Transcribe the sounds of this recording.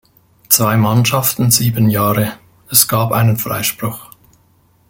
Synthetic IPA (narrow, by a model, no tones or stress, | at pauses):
t͡sv̥aɪmanʃɑftn̩ziːbənjaːʁə | ɛsɡ̥aːpʔaɪnənfʁa̰ɪʃpʁ̥ʊχ